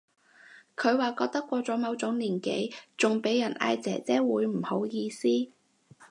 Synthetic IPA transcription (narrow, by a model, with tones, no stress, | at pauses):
kʰɵ˨˧ɥwaː˨kɔː˧k̚t̪ɐ˥kːʷɔː˧t͡sɔː˨˥mɐ˨˧wt͡sʊ˨˥ŋliː˨˩nke˨˥jt͡sʊ˨ŋpe˨˥jɐ˨˩nʔa̰ː˧jt͡sɛ̰ː˨˩t͡sɛː˥wuː˨˧jm̩˨˩ho˨˥wjiː˧siː˥